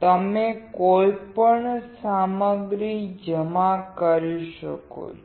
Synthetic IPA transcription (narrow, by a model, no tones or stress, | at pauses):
t̪əmekojpəɳsaməɡɾid͡ʒəmakəɾiʃəko̰t͡ʃʰ